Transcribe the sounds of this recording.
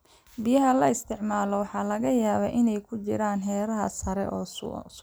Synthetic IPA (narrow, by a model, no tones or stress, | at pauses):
bɪjɐɦɐlɐɪst̪ʰɪʕmaːlɔwɑħɑːlɐɣɐjaːβɐʔɪnɛjkʰʊt͡ʃɪ̰ɾaːnɦɛːɾɐɦɐ̰sɐɾɛ̰ʔɔː